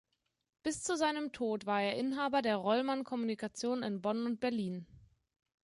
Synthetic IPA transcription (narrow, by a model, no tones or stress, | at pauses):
b̥ɪst͡suzaɪnəmtʰoːtv̥aːɐeːɐʔɪnɦaːbɐdeːɐʁɔlmankʰɔmunikat͡sjoːnɪnbɔnʊnt̚b̥ɛɐliːn